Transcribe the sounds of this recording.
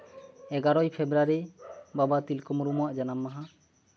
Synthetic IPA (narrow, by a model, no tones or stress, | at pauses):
ɛɡaɾɔjpʰebɾaɾibabat̪ilkɔmɾumuaʔd͡ʒanamːaɦa